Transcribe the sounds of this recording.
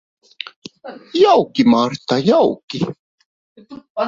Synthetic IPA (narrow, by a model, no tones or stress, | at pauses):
jɑwkimɑrt̪ɑjɑwki